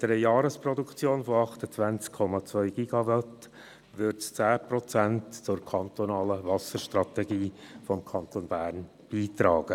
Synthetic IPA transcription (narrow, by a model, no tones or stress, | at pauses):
d̥̪ɾɛjjɑːɾəsprɔdukt͡sjoːnfoɑχt̪ət͡svænt͡skʰːɔmɑt͡svœʏɡ̥iɡ̥ɑvɑt | ʋʏɾtt͡st͡sæːprɔt͡sæntt͡sʊɾkʰɑnt̪onɑːləvɑsəɾʃtrɑt̪ɛɡiːfɔmkʰɑnt̪onbæːɾn | b̥iːtɾɑːɡ̥ə